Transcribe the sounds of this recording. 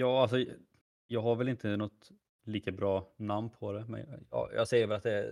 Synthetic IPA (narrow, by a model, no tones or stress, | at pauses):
jɑːals̬ɔ | jɑːɡɦaɾvɛlɪnt̪ʰənɔt̪ | liːkabɾɑːnamnpʰɔd̪ɛmɛ̰njjɑ̰jɑ̰ːɡsɛjːəɾvɛlat̪̚d̪ɛ